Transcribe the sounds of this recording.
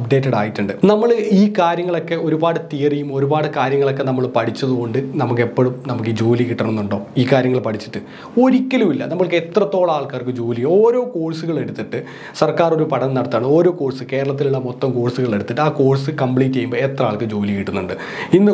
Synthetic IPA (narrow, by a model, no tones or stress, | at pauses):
ɐbɖe̞ːtːɐɽaːjiʈːuɳɖɨnɐmːɐɭiːkaːɾjɐŋːɐɭo̞kːe̞o̞ɾubaːɽɨt̪ijɐrijumo̞ɾubaːɽɨkaːɾjɐŋːɐɭo̞k̬ːe̞nɐmːɐɭpɐʈʰit͡ɕːɐðuɣo̞ɳɖɨnɐmukːepːo̞ːɻumnɐmukːɨd͡ʑo̞ːlikiʈːɐrɐnːuɳɖo̞ːiːkːaːɾjɐŋːɐɭpɐʈʰit͡ɕːi̥ʈːɨ | o̞ɾikʲːɐlumilːɐ̰nɐmːɐɭket̪rɐt̪ːo̞ːɭɐaːɭkaːrkːɨmd͡ʑo̞ːlijoːɾo̞ːko̞ːɻsuɣɐɭe̞ɽut̪ːiʈːɨ | sɐrkaːro̞ɾupɐɽɐnnɐɽɐt̪ːijaːɳɨoːɾo̞ːko̞ːɻsɨke̞ːɾɐɭɐt̪̬ːiluɭːɐmot̪ːɐmko̞ːɻsuɣɐɭe̞ɽut̪ːiʈːɨaːkoːɻsɨkɐmpɭiːtːejumbɐet̪rɐaːɭkːɨd͡ʑo̞ːlikiʈːunːuɳɖɨ | inːɨ